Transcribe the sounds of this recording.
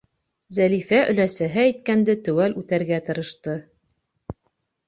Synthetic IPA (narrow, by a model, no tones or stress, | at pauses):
zælifæʔɵ̆læsæɦɘæjt̪̚kænd̪ɘt̪ɵwælʉt̪æɾɡæt̪ɤ̆ɾɤ̆ʃt̪ɤ